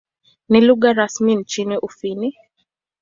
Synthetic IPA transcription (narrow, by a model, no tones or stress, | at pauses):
niluɣaɾasmin̩t͡ʃiniʔufini